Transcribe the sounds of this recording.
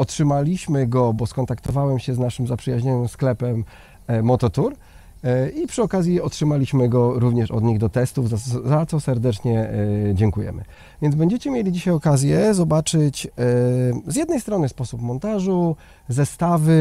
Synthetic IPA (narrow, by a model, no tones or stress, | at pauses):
ɔtʂɘmalʲiɕmɘɡɔbɔskɔnt̪akt̪ɔvawɛmɕɛznaʂɘmzapʂɘjaʑɲɔnɘmsklɛpɛmː | ɔt̪ɔt̪uɾ | ipʂɘɔkazʲjiɔtʂɘmalʲiɕmɘɡɔɾuvɲɛʂɔ̰d̪ɲiɣd̪ɔt̪ɛst̪uvzazat̪sɔsɛɾd̪ɛt͡ʂɲɛd͡ʑɛŋkujɛ̰mɘ̰ | vʲjɛnd̪bɛɲd͡ʑɛt͡ɕɛmʲjelʲid͡ʑiɕajɔkazʲjɛzɔbat͡ʂɘt͡ɕ | zjɛd̪nɛjst̪ɾɔnɘspɔsupmɔnt̪aʐu | zɛst̪avɘ